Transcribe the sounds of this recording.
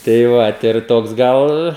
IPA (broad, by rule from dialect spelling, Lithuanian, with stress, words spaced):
tɐɪ ˈʋɐt ɪr ˈtoːks ˈɡɐlˠ